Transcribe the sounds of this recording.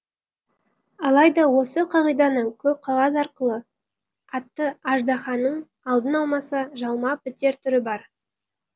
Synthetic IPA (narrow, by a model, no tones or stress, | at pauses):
ɑlˠɑjd̪ɑwo̞səqʰɑʁijd̪ɑnəɴkʲʰɵp̚qʰɑlˠɑs̬ɑɾqəlˠə | ɑt̪ːəɑʒd̪ɑχɑnːəɴ | ɑlˠd̪ənɑlˠmɑsɑʒɑlˠmɑpɪt̪e̞ɾt̪ʰʏɾɪbɑɾ